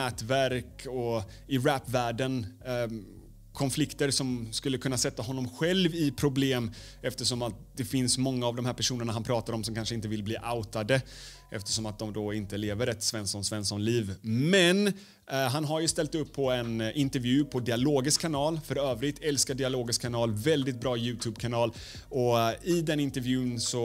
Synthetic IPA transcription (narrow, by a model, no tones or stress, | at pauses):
ɛːt̪væɾkɔ | ɪɾæpːvæːɖən | kʰɔnflɪkt̪əɾsɔmskɵlːəkʰɵnːasɛt̪ːaɦɔnːɔmɧɛlvɪpʰɾʊbleːm | ɛft̪əʂɔmat̪̚d̪̥ɛfɪnsmɔŋːaːvd̪ɔmhæːɾpæʂuːnəɳaɦanpʰɾɑːt̪aɾɔmsɔmkʰanʂəɪnt̪̬əvɪlbliːʔaʊt̪ad̪ə | ʔɛft̪ə̥ʂɔmat̪̚d̪ɔmd̪ɔɪnt̪əleːvəɾɛt̪svɛnsɔnsvɛnsɔnliːvmɛn | ɦanɦaɾjɵst̪ɛlt̪ɵpʰːɔɛnʔɪnt̪ɛɾvjʉ̟ːpʰɔd̪ɪaloːɡɪskʰːanɑːlfœɾøːvɾɪt̪ʰɛlskaɖɪaloːɡɪskʰːanɑːlvɛld̪ɪt̪̚bɾɑːjʉ̟ːt̪ʰʉːbkʰanɑːl | ɔɪd̪ɛnɪnt̪ɛɾvjʉ̟ːnsɔ